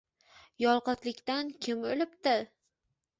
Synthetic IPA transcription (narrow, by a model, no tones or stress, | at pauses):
jɒlˠqɨt̪lɪkʲt̪ankʲʰɪmɵlɪpt̪ɪ